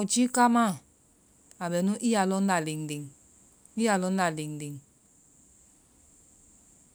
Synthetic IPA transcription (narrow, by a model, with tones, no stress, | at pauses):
u˨t͡ʃi˦ka˦ma˦˨ | a˨bɛ˨nu˦ʔi˦a˨lɔ˦n̩˦da˨li˨ŋ˨di˨ŋ | i˦ja˨lɔ˦n̩˦da˨li˨ŋ˨di˨ŋ